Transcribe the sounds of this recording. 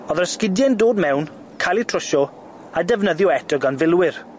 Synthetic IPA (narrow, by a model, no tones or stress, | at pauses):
ɔðərskɪdjɛndoːdmɛwn | kʰalˠitʰrɔʃɔ | adɛvnəðjɔɛdɔɡanvɪlˠwɪr